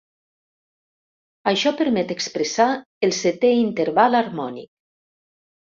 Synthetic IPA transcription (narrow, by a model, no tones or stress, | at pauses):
aʃɔpəɾmɛt̪ekspɾesa | elˠset̪eint̪eɾβalaɾmɔnḭk̚